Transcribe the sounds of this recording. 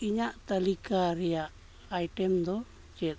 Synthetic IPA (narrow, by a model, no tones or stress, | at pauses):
iɲaʔt̪alikaɾɛjaʔ | ajʈɛmd̪ɔ | t͡ʃɛt̪̚